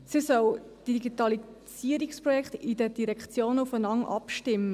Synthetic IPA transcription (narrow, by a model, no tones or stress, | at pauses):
sisœw | d̥iɡitɑli | siəɾiksprɔjɛkχtid̥ədiɾɛkχt͡sjoːnəufənɑŋʔɑ̰pʃtɪmːə